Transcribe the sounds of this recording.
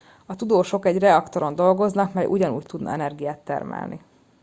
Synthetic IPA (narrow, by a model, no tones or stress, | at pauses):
ɒt̪ud̪oːʃo̞kɛɟrɛɒkt̪oɾo̞nd̪o̞lɡo̞znɒkmɛjʔṵɟɒnṵːct̪ud̪nɒ̰ɛnɛrɡijaːt̪ːɛ̰rmɛ̰lnḭ